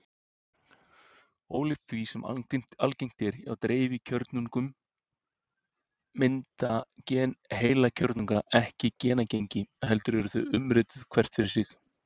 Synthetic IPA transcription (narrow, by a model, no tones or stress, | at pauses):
oːwlɪθvisɛmm̥alcejm̥t̪ɪɾa̰wt̪ɾeːjvɪcʰœɾt̪nuŋkʏm | ɪnt̪acɛːnheːjlacʰœɾt̪nuŋkaʔɛhcɪcɛːnacejɲcɪɦɛlt̪ʏɾɛɾʏθœʏmɾɪːt̪ʏðkʰvɛr̥t̪fɪɾɪɾsɪx